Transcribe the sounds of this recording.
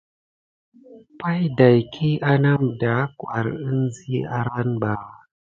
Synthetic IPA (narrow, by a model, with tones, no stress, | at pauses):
pa˦jda˨jkʰi˦ʔa˦na˦mda˨˦kwa̰˨ɾɨ˦nzi˦a˦ɾa˦nba˨